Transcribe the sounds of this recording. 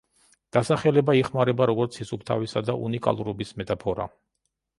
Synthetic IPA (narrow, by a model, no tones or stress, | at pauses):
d̪̥asaχɛlɛbaiχmaɾɛbaɾɔɡɔɾt̪sʰisupʰt̪ʰavisad̪aʔṵnikʼa̰lˠuɾɔbismɛt̪ʼapʰɔɾa̰